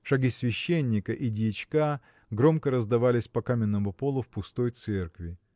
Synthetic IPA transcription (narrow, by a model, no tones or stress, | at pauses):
ʂɐɡʲisʲvʲɪɕːenʲːɪkəʔidʲɪt͡ɕka | ɡɾo̞mkəɾəzd̪ɐvalʲɪsʲpɐkamʲɪnːəmʊpo̞lˠʊfpʊst̪o̞jt̪sɛrkvʲɪ